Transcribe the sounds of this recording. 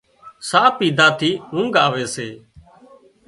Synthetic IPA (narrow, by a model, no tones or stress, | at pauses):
saːpiːd̪ʱaːt̪ʰiːɦũːŋɡaːʋeːseː